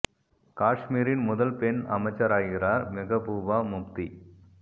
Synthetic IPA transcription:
kaːʂmiːɾɪnmʊðɐlpɛnɐmɐt͡ʃːɐɾaːjɣɪraːɾmɪɣɐpuːʋaːmʊp̚t̪i

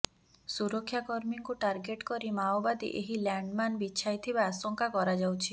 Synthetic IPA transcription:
suɾɔkʰːjakɔɾmiŋkuʈaɾɡeʈkɔɾimaobad̪ḭʔeɦilaɳɖmanbitːʃʰajt̪ʰibaːsɔŋkakɔɾad͡ʒawt͡ʃʰi

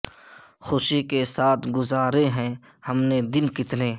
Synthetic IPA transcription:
xʊʃikesaːt̪ʰɡʊzaːɾeɦɛ̃hɐmned̪ɪnkɪt̪neː

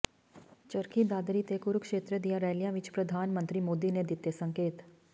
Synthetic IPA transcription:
t͡ʃɐɾkʰid̪aːd̪ɾit̪eːkʊɾkʃeːt̪ɾəd̪ijaɾɛːlijãʋɪt͡ʃpɾɐd̪ʱaːnmə̃nt̪ɾimoːd̪ined̪ɪt̪ːesɐ̃ŋkeːt̪

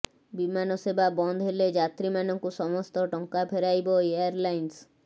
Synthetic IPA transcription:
bimanɔsebabɔnd̪ʱɦeled͡ʒat̪ɾimanɔŋkusɔmɔst̪ɔʈɔŋkapʰeɾajbɔeaɾlajns

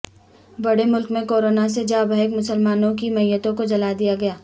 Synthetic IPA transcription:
bɐɽemʊlkmẽkoːɾoːnas̬ed͡ʒaːbɐɦekmʊsəlmaːnõk̬imɐjət̪õkod͡ʒɐlaːd̪ijaɡɐjaː

